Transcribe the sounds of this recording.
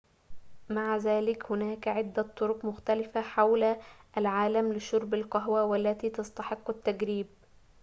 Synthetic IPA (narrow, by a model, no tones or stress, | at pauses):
maʕzæːlɪkhʊnaːkʕɪd̪ːat̪ˤːoɾʊqmʊxt̪ælɪfaħawlʔælʕaːlamlɪʃʊɾˤbalqɑɦwawalːæt̪iːt̪ɑst̪ɑħɪqːat̪ːaɡɾiːb̚